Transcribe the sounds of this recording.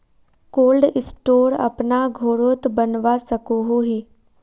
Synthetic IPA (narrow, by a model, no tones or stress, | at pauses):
koːlɖɪsʈoːɾɐ̰pnaɡʱoːɾoːt̪bənʋasəkoɦoɦiː